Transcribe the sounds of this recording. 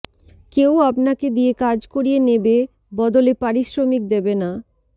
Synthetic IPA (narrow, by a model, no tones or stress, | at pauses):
keoap̚naked̪iekad͡ʑkoɾijenebe | bɔd̪olepaɾiʃɾomik̚d̪ebena